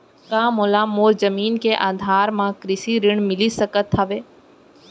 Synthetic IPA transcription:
kãːmoːlamoːɾzəmiːnkeʔaːd̪ʱaːɾmãkɾɪsiɾɪɳ̃mɪlisəkət̪ʰːəʋeː

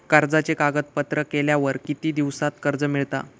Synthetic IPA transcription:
kəɾd͡zat͡ɕekaɡət̪̚pət̪ɾəkeljaʋəɾkit̪iːd̪iʋsat̪kəɾd͡zəmiɭt̪a̰

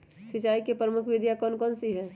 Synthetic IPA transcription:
sɪt͡ʃaːikepɾəmʊkʰʋɪd̪ʱjakɔːnkɔːnsiɦɛː

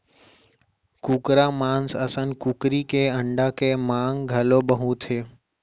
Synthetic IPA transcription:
kukɾaːmãːnsəsənkʊkɾikeəɳɖaːkemaːŋɡʱəloːbəɦũt̪ʰeː

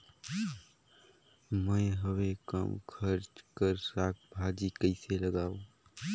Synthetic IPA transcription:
mə̃ɦəwekə̰mkʰəɾt͡ʃkəɾsaːk̚bʱaːd͡ʒikəɪseləɡaːu

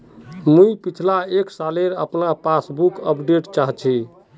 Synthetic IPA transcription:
mujpit͡ʃʰlaeksaleɾə̰pnapasbukəpɖeʈt͡ʃaɦt͡ʃʰi

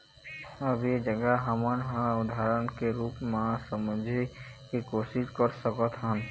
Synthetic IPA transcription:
əbjed͡ʒəɡaɦɐmənɦãʊd̪ʱaːɾənkeɾuːpmãsəməd͡ʒʱekikoːʃɪʃkəɾsəkət̪ɦən

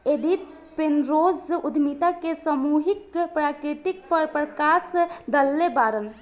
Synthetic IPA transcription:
ed̪it̪ | penɾozud̪ʱmit̪akesəmuɦikpɾakɾit̪ik̚pəɾpɾəkasd̪əlːebaɾən

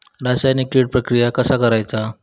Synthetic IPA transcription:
ɾasajnikiɽ̚pɾəkɾijakəsakəɾajt͡sa

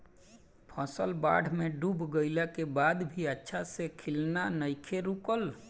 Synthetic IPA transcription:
pʰəsəlba̰ɖ̤ʱmeɖubɡəɪlɛkebad̪bʱiətːʃʰasekʰilnanəjkʰeɾukəl

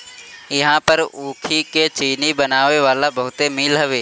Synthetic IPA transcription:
ɪɦãpəɾuːkʰiket͡ʃiːnibɐnaːʋeʋaːlabɐɦʊt̪emiːlɦɐʋeː

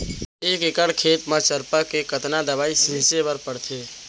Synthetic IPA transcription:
eːkekəɽkʰeːt̪mət͡ʃəɾpəkekət̪nad̪əbaːisĩsebəɾpəɽt̪ʰe

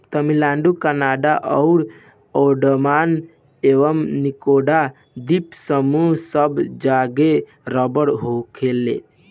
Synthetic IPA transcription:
t̪əmilaɳɖukanaɖaʔɔʊɾ | oɖəmaːn | eʋəmnikoɖa | d̪ipsəmuɦsəbd͡ʒaɡe | ɾəbəɽɦokʰelḛ

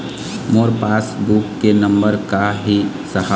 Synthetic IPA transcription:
moːɾpaːsbukːenə̃mbəɾkaɦi | səɦa

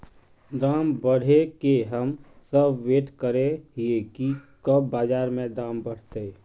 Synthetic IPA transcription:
d̪aːmbəɽ̤ekeɦəmsəbʋeːʈkəɾeɦiekikəbbaːd͡ʒaːɾmẽd̪ãːmbəɽ̤t̪e

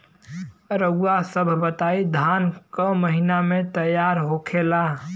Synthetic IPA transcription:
ɾəɡuwasəbʱbət̪aid̪ʱankəməɦinamet̪əjaɾɦokʰela

